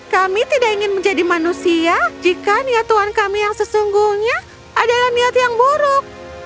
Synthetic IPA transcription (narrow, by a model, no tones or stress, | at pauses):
kamit̪idakiŋɪnməɲd͡ʒadimanusiad͡ʒikaniat̪uankamijaŋsəsuŋɡuhɲaː | dalahniat̪jaŋbuɾʊk̚